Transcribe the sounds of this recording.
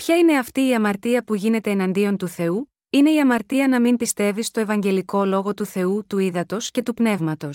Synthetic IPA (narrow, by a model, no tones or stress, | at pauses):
pçɐine̞ɐft̪iːɐmɐɾt̪iɐpuʝine̞t̪e̞ːnɐnd̪io̞nt̪uθe̞u | ine̞iɐmɐɾt̪iɐnɐmimpist̪e̞vist̪o̞e̞vɐɲɟe̞liko̞lo̞ɣo̞t̪uθe̞ut̪uiðɐt̪o̞sce̞t̪upne̞vmɐt̪o̞s